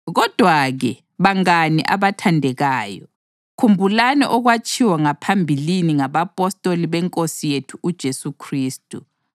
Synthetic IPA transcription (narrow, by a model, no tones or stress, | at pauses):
ɣɔd̥ʱwaɣɛ | βaŋanḭʔa̰βatʰandʱɛɣaːjɔ | kʰumbʱulanɛ̰ʔɔɣwat͡ʃʼiwaŋapʰambʱiliniŋaβapʼɔstʼoliβɛŋkʼosijetʰuʔːd̥ʒ̥ʱesukʰriːstʼu